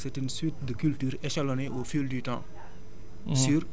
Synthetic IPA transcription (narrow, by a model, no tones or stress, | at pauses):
sɛtynswit̚dəkyltyːɾɛʃaloneʔofildytɑ̰̃ | syːɾ